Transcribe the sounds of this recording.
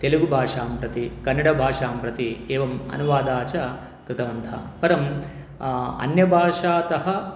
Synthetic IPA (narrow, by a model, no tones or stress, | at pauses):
t̪eluɡubʱaːʂaːmpɾɐt̪ikɐnːɐɽɐbʱaːʂaːmpɾɐt̪ieːʋɐmɐ̰nuʋaːd̪aːt͡ʃɐ | kɾɪt̪ɐʋɐnd̪ʱʰɐ̰pɐɾɐm | ɐ̰njɐbʱaːʂaːt̪ɐɦɐ̆